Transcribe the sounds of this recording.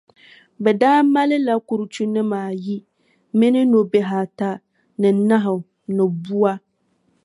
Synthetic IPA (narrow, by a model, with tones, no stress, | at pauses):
bɛ˨daː˦ma˦lɪ˦la˦ku˨ɾʊ˨t͡ʃu˦nɪ˦maː˨ji˦ | mɪ˦nɪ˦no˨be˨ɦa˨ta˦ | nɪ˨˦na˦ɦʊ˨ | nʊ˨bu˦a˦